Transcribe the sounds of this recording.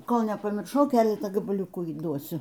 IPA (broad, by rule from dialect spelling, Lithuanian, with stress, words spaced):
ˈkoːlˠ nʲɛpɐmʲɪrˈʃɐʊ ˈkʲæːlʲɛtɑː ɡɐbɐˈlʲʊkuː iːˈduɔsʲʊ